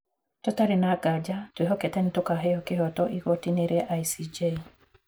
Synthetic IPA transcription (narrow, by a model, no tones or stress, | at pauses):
tɔtaɾinaɡad͡ʒatweɦɔkɛtɛnitɔkaɦɛɔkeɦɔtɔʔiɣɔtineɾeʔajsid͡ʒe